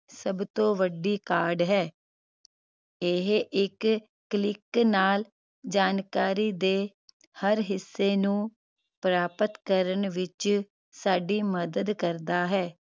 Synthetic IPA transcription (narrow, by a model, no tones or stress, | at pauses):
səbt̪õːʋəɖiːkaːɾɖɦɛː | ɪɦʔɪkː | lɪknaːl | d͡ʒaːnkaːɾiːd̪eː | həɾɦɪsːeːnũː | pɾaːpət̪kəɾəɳʋɪt͡ʃ | saːɖiːməd̪əd̪kəɾd̪aːɦɛː